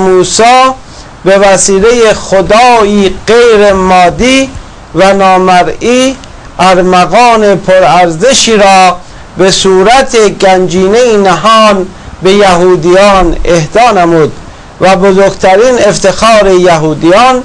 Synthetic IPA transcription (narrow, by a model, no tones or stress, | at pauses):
muːsɑː | be̞væsiːle̞jexod̪ɑːiːɢejɾemɒːd̪iː | vænɒːmæɾiː | æɾmæɣɑːnepʰoɾæɾzeʃiːɾɒː | besuːɾæt̪ʰeɡænd͡ʒiːneinæɦɒːn | be̞jæɦuːd̪ijɑːnehd̪ɒːnemuːd̪̚ | væbozoɾɡt̪ʰæɾiːne̞ft̪ʰexɑːɾejæɦuːd̪ijɑːn